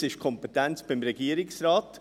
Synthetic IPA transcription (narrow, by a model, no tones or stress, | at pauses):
sɪʃkʰɔmpɛt̪ɛnt͡sb̥ɪmɾɛɡ̥iːəɾɪksɾɑːt